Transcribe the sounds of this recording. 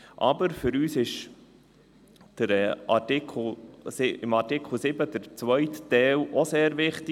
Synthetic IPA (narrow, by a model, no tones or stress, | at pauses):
ʔɑbəɾfʏɾyːsɪʃ | d̥əɾɛɑ̰tɪkʰl̩sɪɪmɑtɪkχl̩ˠsɪbəd̥əɾt͡sʋœjttɛːlʔɔseːɾʋɪχtɪ